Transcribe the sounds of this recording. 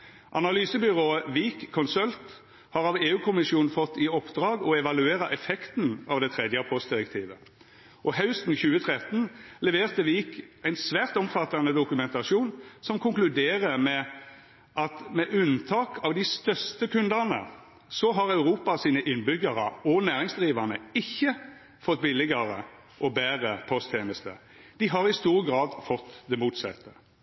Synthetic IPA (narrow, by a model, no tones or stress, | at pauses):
ʔɑnɑlyːsəbʏʁoːəʋiːkʰːɔnsœlt̪ | hɑʁɑʋeːʉːkʰʊmɪsjuːnn̩fɔt̪ːɪɔpd̪ʁɑːɡɔɛʋɑlʉeːɾɑʔɛfɛkt̪n̩ɑːʋd̪ɛt̪ʰʁɛd̪jəpʰɔst̪̚d̪ɪʁɛk̚t̪ʰiːʋə | ʔɔɦɑʉst̪n̩çʉːət̪ʰʁɛt̪n̩lɛʋeːʁt̪əʋiːkæɪnsʋæːʁt̪ɔmfɑt̪ːɑnəd̪ʊkʉmɛnt̪ɑʃuːnsɔmkʰʊŋklʉd̪eːʁəmɛ | ʔɑt̪mɛʔʉnt̪ʰɑːkʰɑʋd̪ɪst̪œst̪əkʰʉnd̪ɑnə̰ | sɔɦɑʁɑʉʁuːpɑsiːnəʔɪnbʏɡɑʁə̰ɔnæːʁɪŋsd̪ʁiːʋɑnəɪçːə | fɔt̪ːbɪlːɪɡɑʁə̰ | ʔɔbæːʁəpʰɔst̪ʰɛːməst̪ə̰ | d̪̥ɪɦɑɾɪst̪uːʁəɡʁɑːd̪fɔt̪ːd̪ɛmuːt̪sɛ̰t̪ʰːə